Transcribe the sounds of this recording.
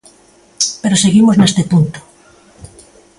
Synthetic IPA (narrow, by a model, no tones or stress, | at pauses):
peɾoseɣimoznest̪epunt̪o̥